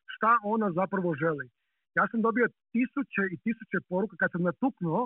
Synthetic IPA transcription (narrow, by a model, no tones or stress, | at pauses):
ʃt̪aʔo̞nazapɾaʋoʒeli | jaːsamd̪o̞biot̪isut͡ɕeit̪isut͡ɕepoɾukekad̪samnat̪uknuo